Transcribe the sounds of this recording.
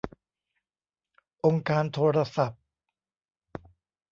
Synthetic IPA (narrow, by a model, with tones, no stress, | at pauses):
ʔo˧ŋkaː˧nt̪ʰoː˧ɾa˧sa˨˩p̚